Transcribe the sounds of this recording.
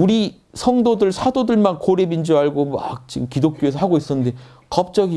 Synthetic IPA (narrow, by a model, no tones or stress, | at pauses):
uɾi | sʰʌŋdodɯɭsʰadodɯɭmankoɾebind͡ʑuaɭɡomʌak̚t͡ɕiɡɯmkidok̚k͈joesʰʌɦaɡois͈ʌnːɯnde̞ | kʌp̚t͡ɕ͈ʌɡi